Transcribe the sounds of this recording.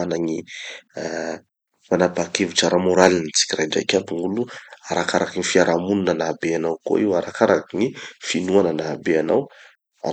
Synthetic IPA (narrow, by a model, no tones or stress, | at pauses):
anəŋi | panapakevuʈ͡ʂaɾamoɾalinit͡si̥kʲirajɖ͡ʐa̰jkʲapiŋuluaɾakaɾakiŋifiaɾamununənaabeanawko̰iwaɾakaɾakiŋifinuanənaɦabeanaw | a̰